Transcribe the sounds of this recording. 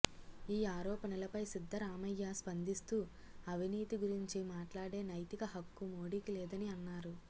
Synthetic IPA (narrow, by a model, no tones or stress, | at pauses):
iːaːɾɔːpɐnɐlɐpɐjsid̪ʱːɐɾaːmɐjːaːspɐnd̪ist̪uː | ɐʋiniːt̪iɡuɾiɲt͡ʃimaːʈlaːɽe̞ːnɐjt̪ikɐɦɐkːumoːɽiːkilɛːd̪ɐniɐnːaːɾu